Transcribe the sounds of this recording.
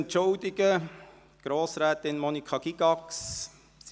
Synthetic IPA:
ntt͡ʃʊld̪ɪɡə | ɡ̥ɾoːsɾɛːtɪnmɔnikʰɑɡ̥iɡ̥ɑks

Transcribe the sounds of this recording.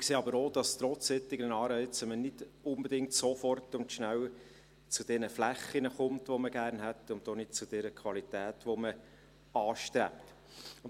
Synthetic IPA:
kseːɑbəɾoːd̥ɑst̪ɾɔtsɪt̪ːɪɡənɑːɾœɪt͡səmənɪd̥ʊmbɛdɪŋtsofɔrtʊnt̪ʃnæw | t͡sud̥ɛnəflæχːinəχʊmtʋɔməɡ̥æːrnɦætʊnt̪onɪd̥̚t͡sʊd̥ɛɾəkʰʋɑlitæːtʋomə | ɑːʃtɾɛ̰pt | ʊn

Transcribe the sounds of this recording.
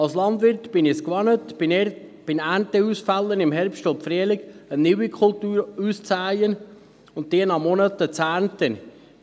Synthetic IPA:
ɑlslɑnd̪ʋɪɾtbɪnɪskʋɑnət | b̥ɪnæːntəusfælːənɪmɦɛɾpʃtʊfɾiəlɪɡənɪwikʰχoltuːɾuːst͡sæjən | ʊnt̚deːnɑmɔnətət͡sæːɾntən

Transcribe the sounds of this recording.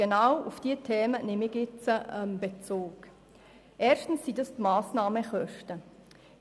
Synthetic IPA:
ɡ̥enawufd̥iətʰeːmənɪmɪɡjɪt͡səɛmb̥et͡soːk | ʔɛːrʃtn̩sːidɑstmaːsnɑːməχœʃtə

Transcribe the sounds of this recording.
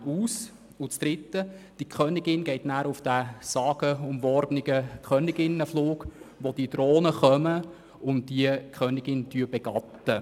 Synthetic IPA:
uːs | ʊt͡sd̥ɾɪtːəd̥ikʰχœnɪɡɪnɡɛɪtnæːɾʊfd̥æsɑːɡ̥əʊmvɔɾbənɪɡəkʰχœnɪɡɪnəfluːkʋod̥idɾoːnəχœmə | ʊnt̚diəkʰχœnɪɡɪntyəbɛɡ̥ɑt̪ːə

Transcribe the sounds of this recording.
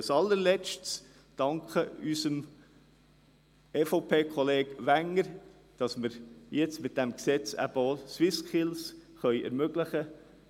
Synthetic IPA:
sɑlːəɾlɛt͡ʃts | d̥ɑŋkχəysəm | eːfoʊpʰeːkχɔleːɡ̥ʋæŋəɾ | d̥ɑsməɾjɛt͡stmɪt̚d̥ɛmksɛt͡sæ̰b̥əoswɪskɪlsχœʏʔɛ̰ɾmøɡləχə

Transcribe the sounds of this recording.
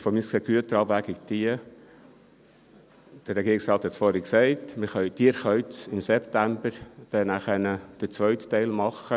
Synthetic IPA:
fɔmiːskseːɡ̥yətəɾɑbvæɡɪkd̥̪iə | d̥əɾrɛɡiːɾɪksrɑːt̪hɛtsfɔɾəksɛɪtmɪχœʏtiəɾχœʏtɪmsɛptæmbəɾd̥ɛnæχənəd̥ət͡sʋœɥttːɛɪlmɑχːə

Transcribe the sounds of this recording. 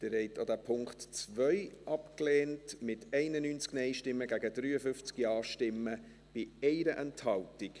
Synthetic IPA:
d̥ɪɾhɛɪtɑdæpʰʊŋktt͡svœʏʔɑpklɛːntmɪtɛɪnənyːnt͡sknɛɪʃtɪmːəɡæɡədɾyːəfʏft͡skiɑːʃtɪmːə | b̥ɪɛɪɾəʔɛnthɑltɪk

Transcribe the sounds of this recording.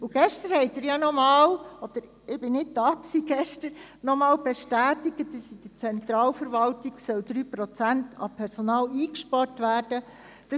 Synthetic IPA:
ʊɡ̥ɛʃtəɾhɛɪt̪ɪːɾjɑnɔmɑːlɔd̪̥əɾ | ɪb̥ɪnɪtdɑːksiɡ̥ɛʃtəɾ | nɔmɑːlb̥ɛʃtæːt̪iɡ̥ətdəsid̪̥ət͡sɛnt̪ɾɑːlfəɾʋɑltiɡ̥sœld̪ɾyːpɾɔt͡sæntʰɑpʰɛɾsonɑːliːkʃpɑɾtʋæːɾd̥ə | d̥ɑ

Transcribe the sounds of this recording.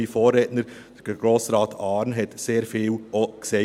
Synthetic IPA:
ifoːɾɛːtnəɾ̥ | əd̥əɡ̥ɾoːsɾɑːtʰɑːɾnɦɛtseːɾfiːlokse

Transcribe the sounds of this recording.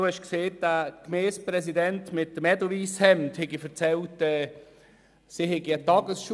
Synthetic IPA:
duhɛʃkseːt̚d̥akmeːspɾɛs̬idɛntmɪt̚dəmɛdɔviːshɛmthɛɡifəɾt͡sɛltɛː | siɦɛɡiətɑɡəsʃu

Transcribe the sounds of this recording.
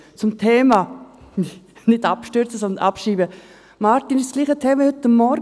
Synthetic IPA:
t͡sʊmtʰeːma | nɪdapʃtøɾt͡səsɔnd̪ənʔapʃiːbə | maɾtinɪʃsliːχətʰeːməhʏtːəmːɔɾ

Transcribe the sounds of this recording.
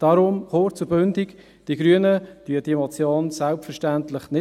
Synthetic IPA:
d̥ɑːɾʊmχoːt͡sʊbøndik | d̥iɡ̥ɾyənəd̥yəd̥iəmɑt͡sjoːnsalpfəɾʃtæntlɪχnɪ

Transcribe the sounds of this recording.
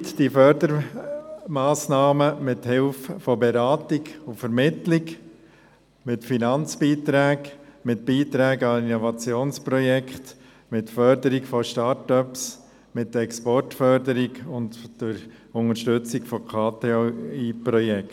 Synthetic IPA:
t̪d̥ifœɾd̪əɾ | mɑːsnɑːməmɪt̪hɪlffɔbɛɾɑːt̪ɪɡufəɾmɪt̪lɪk | mɪtfinɑnt͡sbiːt̪ɾæːkmɪtb̥iːt̪ɾæːɡɑinɔvɑt͡sjoːnspɾɔjɛkχt | mɪtfœɾd̪əɾɪkfɔʃtɑɾtœps | mɪtːɛkspɔrtfœɾd̪əɾɪɡʊnt̪d̥əɾʊŋəʃtɵt͡sɪɡfɔkʰɑːt̪eiːpɾɔjɛk

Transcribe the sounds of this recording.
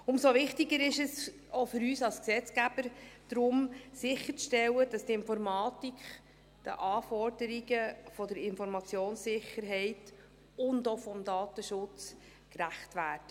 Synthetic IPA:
ʊmsoʋɪχtiɡəɾɪʃɛs | ofʏɾyːsɑlsksɛt͡skæb̥əɾd̥ɾʊmsɪχəɾt͡sʃtɛlːəd̥ɑst̪ɪnfɔɾmɑːtikχ | d̪̥ə̰ʔɑːfɔrdəɾiɡəfɔdəɾɪnfɔɾmɑt͡sjoːnsɪχəɾɦɛɪt | ʊndofɔmdɑːt̪əʃʊt͡s | kræχtʋæːɾd̥ə

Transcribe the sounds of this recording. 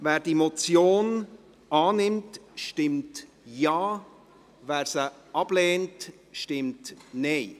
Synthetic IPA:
vɛːɾd̥imot͡sjoːn | ɑːnɪmtʃtɪmt | jaː | væːɾsəɑb̥lɛːnt | ʃtɪmtnɛɪ

